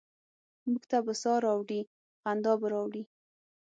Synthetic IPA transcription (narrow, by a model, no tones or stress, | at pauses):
muɡt̪abəsɑɾɑwɽi | ɣand̪ɑbəɾɑwɽi